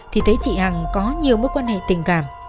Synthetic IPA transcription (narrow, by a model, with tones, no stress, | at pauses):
t̪ʰi˨˩t̪ʰe˨˦t͡ɕḭ˧˨ha˨˩ŋkɔ˨˦ɲi˨˩əwmə˦˥kwaː˧nhḛ˧˨t̪i˨˩əŋkaː˨˩m